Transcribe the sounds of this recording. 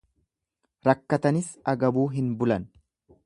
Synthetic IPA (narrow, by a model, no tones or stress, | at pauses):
ɾɐkːɐt̪ɐnɪsɐɡɐbuːɦɪnbʊlɐn